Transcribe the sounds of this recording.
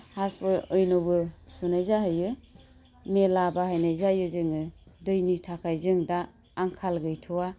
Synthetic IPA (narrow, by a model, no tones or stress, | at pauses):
haspɯɯjnɔbɯsunajzahɯjɯ | melabahajnajzajɯzɯŋɯdɯjnitʰakʰajzɯŋdaː | ŋkʰalɡɯjtʰuwa